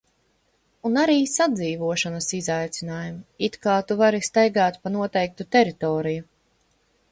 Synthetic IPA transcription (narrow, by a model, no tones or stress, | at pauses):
unaɾiːsad̪ziːvuɔʃanɐsizajt̪sinaːjumit̪kaːt̪uvaɾist̪ajɡaːt̪panuɔt̪ɛjk̚t̪ut̪ɛɾit̪ɔːɾiju